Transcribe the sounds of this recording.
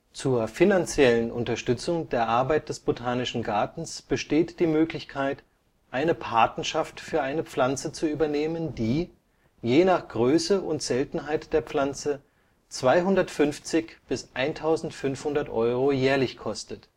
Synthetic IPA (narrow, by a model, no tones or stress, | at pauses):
t͡suːɐfinant͡sjɛlənʔʊ̰ntɐʃtʏt͡sʊŋdeːɐʔaɐbaɪt̚d̥ɛsb̥otʰaːnɪʃn̩ɡaɐtn̩sb̥əʃteːtd̥iːmøːklɪçkʰaɪt | ʔaɪnəpʰaɐtnɐʃaftfyːɐʔaɪnəp͡flant͡sət͡suyːbɐneːməndiː | jeːnaχɡ̥ʁøːsəʔʊntz̥ɛltn̩ɦaɪtd̥eːɐpp͡flant͡sə | t͡sv̥aɪɦʊndɐtfʏnft͡sɪçb̥ɪsʔaɪntʰaʊzn̩tfʏnfhʊndɐtʔɔʏʁojɛːɐlɪçkʰɔstət